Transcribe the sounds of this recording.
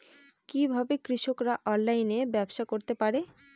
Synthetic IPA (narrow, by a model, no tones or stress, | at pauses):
kibʱabekɾiʃokɾaʔɔnlajnebɛbʃakoɾt̪epaɾe